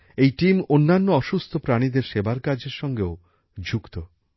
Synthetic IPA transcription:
ejʈimonːanːoɔʃust̪ʰopɾaɽ̃id̪eɾʃebaɾkad͡ʑeɾʃɔŋɡeo | d͡ʑʱukt̪o

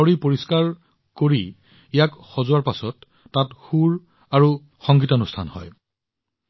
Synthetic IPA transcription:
ɔɹipoɹiskaɹ | koɹi | ijakxɔzʊaɹpasɔtː | atxuɹ | aɹu | xɔŋɡitɔɔnustʰa̰nhɔ̰j

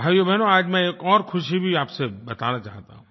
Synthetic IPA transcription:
bʱaːjobʱɛnoaːd͡ʒmɛ̃eːkɔːɾxʰʊʃibʱiaːpsebɐt̪a̰nat͡ʃa̰ːɦt̪a̰ɦũː

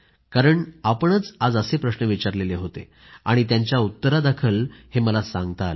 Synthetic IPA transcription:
kaɾəɳapəɳət͡sad͡zəsepɾəɕnəʋit͡ɕaɾleleɦot̪ḛ | aɽ̃it̪̬jaɲt͡ɕjaut̪ːəɾad̪akʰəlheməlasãŋɡt̪al

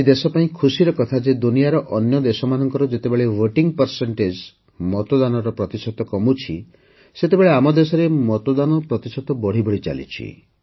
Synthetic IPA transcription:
d̪esɔpaĩkʰusiɾɔkɔt̪ʰad͡ʒed̪unijaɾɔʔɔnjɔd̪esɔmanɔŋkɔɾɔd͡ʒet̪ebeɭewəʈiŋpəɾseɳʈed͡ʒ | mɔt̪ɔd̪anɔɾɔpɾɔt̪isɔt̪ɔkɔmut͡ʃʰi | set̪ebeɭeamɔd̪esɔɾemɔt̪ɔd̪anɔpɾɔt̪isɔt̪ɔbɔɽ̤ibɔɽit͡ʃa̰lḭt͡ʃʰḭ

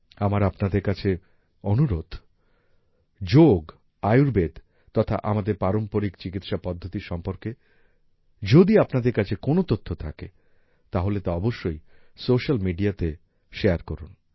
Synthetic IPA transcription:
amaɾapnad̪eɾkat͡ɕʰe | onuɾod̪ʱ | d͡ʑoɡ | ajuɾbed̪ | t̪ɔt̪ʰa̰ʔamad̪eɾpaɾompoɾikt͡ɕikit̪ʃapɔd̪ʱːot̪iɾʃɔmpoɾke | d͡ʑod̪iapnad̪eɾkat͡ɕʰekonot̪ot̪ʰːot̪ʰake | t̪aɦolet̪aɔboʃːoj | soʃalmiɖiat̪e | ʃeaɾkɔɾun

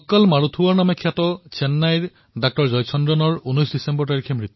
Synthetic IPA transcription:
ɔkːɔlmaɹut̪ʰuwɔɹnamɛkʰjatɔt͡ʃɛnːajɹ | dak̚tɔɹzɔjsʰɔndɹɔnɔɹunɔjsdisɛmbɔɹtaɹikʰɛmɹit̪ːu

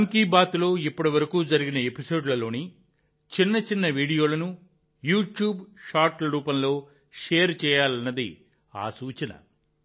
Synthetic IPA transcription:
ɐŋkiːbaːt̪lo̞ːipːɐʈiʋɐɾɐkuːd͡ʒɐɾiɡinɐe̞piso̞ːɖlɐlo̞ːni | t͡ʃinːɐt͡ʃinːɐʋiːɽijo̞ːlɐnu | juːʈjuːbʂaːɾʈlɐɾuːpɐmlo̞ː | ʂɛːɐɾt͡ʃɛːjaːlɐnːɐd̪ḭ | a̰ːsuːt͡ʃɐnɐ̰

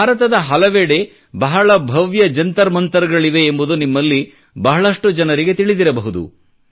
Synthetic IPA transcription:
aːɾɐt̪ɐd̪ɐɦɐlɐʋeɽe̞ | bɐɦɐɭɐbʱɐʋjɐd͡ʒɐnt̪ɐɾmɐnt̪ɐɾɐɡɐɭiʋe̞ːmbud̪unimːɐlːi | bɐɦɐɭɐʂʈud͡ʒɐnɐɾiɡe̞t̪iɭid̪iɾɐbɐɦud̪ṵ

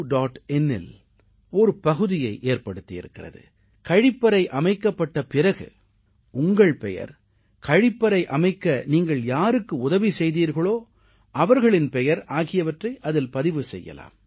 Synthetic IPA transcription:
ɖaːʈɛnːɛ̰l | ɔɾɯpɐɣɯðɪjɐɪʔeːɾpɐɽɯt̪ːɪjɪ̰ɾɯkːɪrɐ̰ðɯ̰ | kɐɻɪpːɐɾɐɪʔɐmɐɪkːɐpːɐʈːɐpɪrɐɣɯ̰ | ʊŋɡɐɭpɛjɐ̰ɾ | kɐɻɪpːɐɾɐɪʔɐmɐɪkːɐniːŋɡɐɭjaːɾɯkːɯʊðɐʋisɛjðiːɾɣɐɭoː | ɐʋɐɾɣɐɭɪnpɛjɐɾaːɣɪjɐʋɐʈrɐɪʔɐðɪlpɐðɪʋɯsɛjːɐ̰la̰ːm

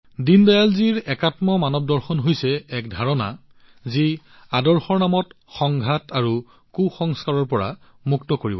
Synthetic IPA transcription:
dindajalziɹɛkatmɔmanɔb̚dɔɹxɔnɦojsɛɛkdʱaɹɔna̰ | zi | adɔɹxɔɹnamɔt | xɔŋɡʱataɹu | kuxɔŋskaɹɔɹpɔɹa̰ | muktɔkoɹibɔ

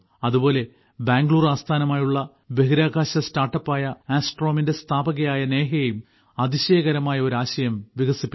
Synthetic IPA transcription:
ɐðubo̞ːle̞ | baːŋɡɭuːraːst̪ʰaːnɐmaːjuɭːɐ | be̞ɦiɾaːɡaːɕɐstaːrʈːɐpːaːjɐaːsʈro̞ːminde̞st̪ʰaːbɐɣɐjaːjɐne̞ːɦɐjejum | ɐðiɕeːɐɣɐɾɐmaːjɐo̞ɾaːɕɐjɐmʋiɡɐsipːi

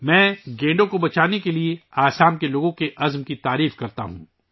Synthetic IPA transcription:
mɛ̃ːɡẽːɳɖõkobɐt͡ʃaːnekelieaːsaːmkeloːɡõkeʔɐzmkit̪aːɾiːfkɐɾt̪a̰ɦṵ̃ː

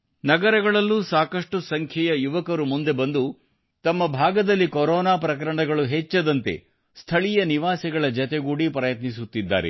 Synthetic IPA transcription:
nɐɡɐɾɐɡɐɭɐlːusaːkɐʂʈusɐŋkʰjɐjɐjuʋɐkɐɾumund̪e̞bɐnd̪u | t̪ɐmːɐbʱaːɡɐd̪ɐlːikoɾɔːnaːpɾɐk̬ɐɾɐɳɐɡɐɭuɦet͡ʃːɐd̪ɐnt̪e̞̰ | st̪ʰɐɭijɐniʋaːsiɡɐɭɐd͡ʒɐt̪eɡuːɽipɾɐjɐt̪nis̬ut̪ːid̪ːa̰ːɾḛ

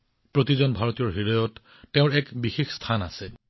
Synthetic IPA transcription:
pɹotizɔnbʱaɹɔtijɔɹɦidɔjɔtː | eʊ̃ɹɛkbixexst̪ʰanasɛ

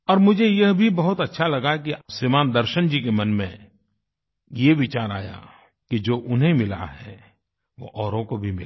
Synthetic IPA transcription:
ɔːɾmʊd͡ʒʱejɐɦbʱibɐɦʊt̪ɐtːʃʰalɐɡakisimaːnd̪ɐɾʃənd͡ʒikemɐnmḛ̃ | jeʋɪt͡ʃaːɾa̰ːja̰ | kid͡ʒoːʔʊnɦẽmɪla̰ɦɛː | ʋo̰ʔɔːɾõkobʱimɪla

